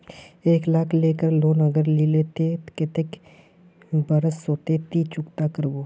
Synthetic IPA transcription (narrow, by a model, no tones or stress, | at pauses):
eːklaːkʰleːkəɾloːnəɡəɾlilet̪ekɪt̪ek | bəɾəsːoːt̪et̪it͡ʃʊkt̪akəɾboː